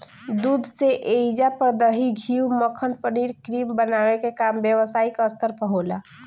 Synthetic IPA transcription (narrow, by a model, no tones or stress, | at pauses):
d̪ud̪ʱseʔed͡ʒapəɾd̪əɦiɡʱiuməkʰənpəniɾkɾimbənawekekambjəwəsaikəst̪əɾpəɦola